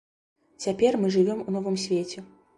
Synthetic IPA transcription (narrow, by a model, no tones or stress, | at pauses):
t͡sʲapʲɛrmɨʐɨvʲɔmunɔvɨmsʲvʲet͡sʲɛ